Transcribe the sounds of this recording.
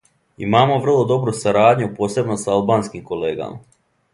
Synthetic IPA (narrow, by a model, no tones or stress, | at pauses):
ḭmaːmo̞ʋr̩lˠo̞d̪o̞bɾusaɾaːd̪ʲɲupo̞ːse̞bnosaalˠbaːnskimko̞leːɡa̰ma̰